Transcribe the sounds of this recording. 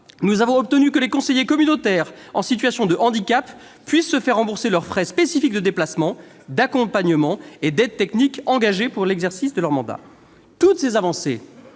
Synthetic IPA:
nuzavɔ̃ɔp̚t̪ənykəlekɔ̃sejekɔmynot̪ɛʁ | ɑ̰̃sit̪ɥasjɔ̃d̪əʔɑ̃d̪ikapː | ɥisːəfɛʁːɑ̃buʁselœʁfχɛspesifikd̪əd̪eplasmɑ̃ | d̪akɔ̃paɲəmɑ̃ed̪ɛd̪̚t̪ɛknikɑ̃ɡaʒepuʁlɛɡzɛʁsisd̪əlœʁmɑ̃d̪a̰ | t̪ut̪sezavɑ̃sḛ

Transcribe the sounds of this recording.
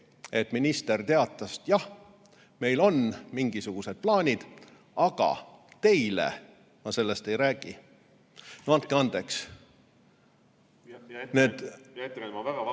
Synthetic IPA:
e̞t̪ːminist̪e̞rt̪e̞ɑt̪ːˑɑst̪jɑh | me̞jlo̞nmiŋɡ̥isuɡ̥use̞d̪̥̚plɑːnʲid̪̥ | ɑɡ̥ɑ̰t̪e̞jlḛ | mɑse̞lːe̞st̪e̞jɾæːɡ̥i | noɑnt̪̚keɑnd̪̥e̞ks | ned̪̥t̪ːvɡɑ

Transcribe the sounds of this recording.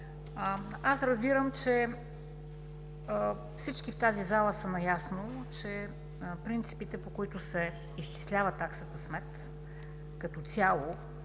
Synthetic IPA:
asɾəzbiɾəmt͡ʃɛ | fsit͡ʃkift̪azizalˠəsɐnɐjasnot͡ʃɛ | pɾint̪si̥pit̪ɛpokoit̪ʊsɛ | iʃt͡ʃi̥slʲavət̪aksət̪əsmɛt̪ | kɐt̪ɔt̪sʲjalˠo

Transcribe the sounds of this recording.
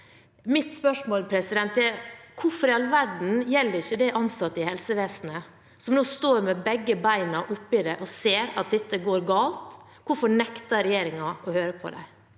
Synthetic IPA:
mɪt̪spœʂmoːlpʰɾɛsɪd̪ɛnt̪ːɛkʰʊɾfɔɾjɛlʋæɖɳ̩jɛlːəɾɪçːəd̪ɛʔɑnsɑt̪ːəɪhɛlsəʋeːsnə | sɔmnoːst̪oːɾmɛbɛɡːəbæɪnɑʔʊpːɪd̪ɛʔɔseːɾɑ̰t̪̚d̪ɛt̪ːəɡoːɾɡɑːlt̪ | kʰʊɾfɔɳɛkt̪ɑɾɛjeːɾɪŋɑɔhøːɾəpʰɔ̰d̪æ̰ɪ

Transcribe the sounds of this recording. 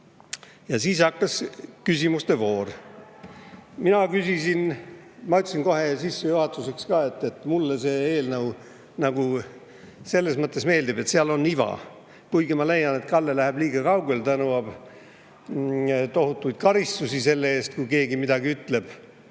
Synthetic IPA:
jɑsiːsɑkːɑskysimust̪e̞vo̞ːr | minɑkysisin | mɑyt̪ːˑsinko̞ɦe̞sisːejuhɑt̪ːˑuse̞kskɑːe̞t̪ːˑe̞t̪ːˑmulːese̞ːeːlnɤw | nɑɡ̥u | se̞lːe̞smɤt̪ːˑesme̞ːld̪ibe̞t̪seɑlo̞nːivɑ̰ | kujɡimɑle̞jɑne̞t̪kɑlːelæheb̥liːɡ̥ɑkɑwɡelt̪ɑnuɑb̥ | t̪oɦut̪ːˑujd̪̥̚kɑɾist̪usise̞lːee̞ːst̪̚kujke̞ːɡimid̪̥ɑɡiyt̪le̞b̥

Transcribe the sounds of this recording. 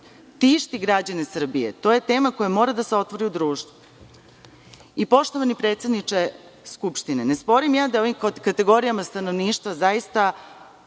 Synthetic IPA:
t̪iʃt̪iɡɾad͡ʑanesr̩bijet̪oːje̞t̪e̞ːmako̞jamo̞ːɾad̪aseo̞t̪ʋo̞ɾiud̪ɾuːʃt̪ʋu | ipo̞ʃt̪o̞ʋanipɾet̪se̞d̪nit͡ʃeskupʃt̪inenespo̞ɾimjaːd̪ajo̞ʋimkat̪e̞ɡo̞ɾijamast̪ano̞ʋniːʃt̪ʋazajist̪a

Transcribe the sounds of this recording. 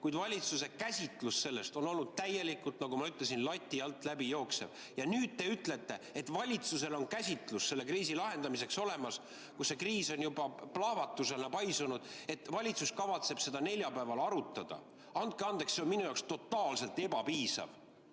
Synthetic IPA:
kujd̪vɑlʲit̪suse̞kæsʲit̪ˑlusse̞lːe̞st̪o̞no̞lnud̪̥̚t̪æjːe̞likːˑult̪nɑɡumɑyt̪le̞sinlɑt̪ʲːˑiɑlt̪ːˑlæbijo̞ːkse̞v̥ | jɑnyːd̪̥̚t̪e̞yt̪le̞t̪ːˑe̞et̪vɑlʲit̪suse̞lo̞nkæsʲit̪ˑlusːe̞lːe̞kriːsilɑɦe̞nd̪̥ɑmise̞kso̞le̞mɑs | kuse̞kriːso̞njubɑplɑhvɑt̪ːˑuse̞lnɑpɑjsunud̪̥e̞t̪ːˑvɑlʲit̪suskɑvɑt̪se̞b̥se̞d̪ɑne̞lʲjɑpæevɑlɑɾut̪ːˑɑd̪̥ɑ̰ | ɑnd̪̥̚keɑnd̪̥e̞ksse̞o̞nminujɑwkst̪o̞t̪ːˑɑːlse̞lt̪ebɑpiːsɑ̰v

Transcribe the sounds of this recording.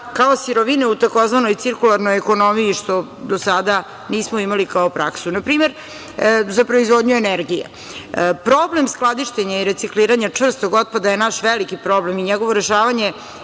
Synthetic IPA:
kao̞siɾoʋineut̪ako̞zʋano̞jt̪siɾkulˠaɾno̞jeko̞nomijiʃt̪o̞ | d̪osad̪a | niːsmoimalikaopɾaksunapɾiːmeɾ | zapɾo̞izʋod̪ɲueneɾɡijḛ | pɾoblemsklˠad̪iʃt̪eɲaiɾe̞t̪sikliːɾaɲat͡ʂʋr̩st̪oɡo̞d̪̚pad̪aje̞naʃʋelikipɾo̞blemiɲeɡo̞ʋo̞ɾeʃaːʋaɲe̞

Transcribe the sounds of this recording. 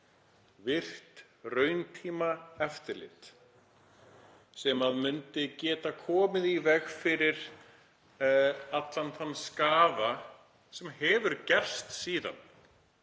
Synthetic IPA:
vɪr̥t̪ | rœːɥnt̪ʰiːmaɛft̪ɪɾlɪ̰t̪ | sɛmaðmʏnt̪ɪcɛːt̪akʰɔːmɪðivɛɣfɪɾɪɾ̥ | at̪lanθanːskaːva | sɛmhɛvʏɾcɛr̥st̪siːða̰n

